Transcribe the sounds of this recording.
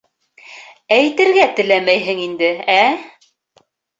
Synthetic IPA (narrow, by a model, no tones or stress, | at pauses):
æjt̪ɘ̆ɾɡæt̪ɘ̆læmæjɦɘŋind̪ɘæ